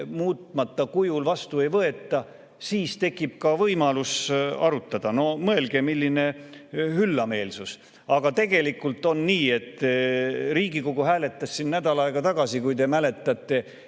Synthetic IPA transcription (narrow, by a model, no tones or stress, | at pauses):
muːt̪ˑmɑt̪ːˑɑkujulvɑst̪ue̞jvɤe̞t̪ːˑɑ | siːst̪e̞kːˑib̥̚kɑvɤjmɑlusɑɾut̪ːˑɑd̪̥ɑno̞mɤe̞lɡ̥e̞milʲːine̞hylːɑme̞ːlsus | ɑɡ̥ɑt̪e̞ɡ̥e̞likːult̪ːˑo̞nniːe̞t̪ːˑ | riːɡiko̞ɡ̥uɦæːle̞t̪ˑːɑsːinnæd̪ɑlɑeɡ̥ɑt̪ɑɡ̥ɑsikujdt̪e̞mæle̞t̪ːˑɑt̪ˑːe̞